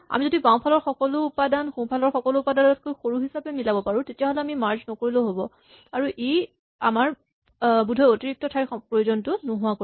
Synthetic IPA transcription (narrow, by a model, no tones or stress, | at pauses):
a̰mizodipãw̃pʰalɔɹxɔkɔlʊːpadanxũpʰalɔɹxɔkɔlʊːpadanɔt̚kojxoɹuɦisapɛmilabɔpaɹũtetijaɦolɛamimaɹznɔkoɹiloɦobɔ | aɹuʔej | a̰maɹ | budʱɔjotiɹik̚tɔtʰajpɹojuzɔntʊnʊɦʊwako